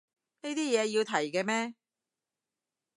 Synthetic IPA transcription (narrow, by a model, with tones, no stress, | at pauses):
ne˥jt̪iː˥jɛː˨˧ji˧wt̪ʰɐ˨˩jkɛː˧mɛː˥